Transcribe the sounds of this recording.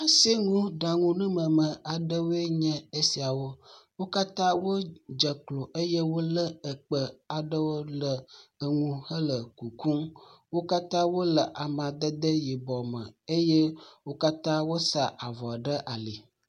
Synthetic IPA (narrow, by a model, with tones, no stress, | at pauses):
a˦si˦ŋũ˦ɖa˨ŋũ˦nũ˦mə̃˨mə̃˨a˨ɖə˦wo˦e˦ɲə̃˦ə˦si˨a˨wo˦wo˦ka˦t̪ã˦wo˦d͡ʒə˨klo˨ʔe˦je˦wo˦lə˦ə˨k͡pə˨a˨ɖə˦wo˦lə˨ə˨ŋũ˨hə˦lə˨ku˨ku˦mwo˦ka˦t̪ã˦wo˦lə˨ʔa˨mã˨d̪ə˦d̪ə˦ji˨bɔ˨mə̰˨e˦je˦wo˦ka˦t̪ã˦wo˦sa˨ʔa˨vɔ˨ɖə˦ʔa˨li˨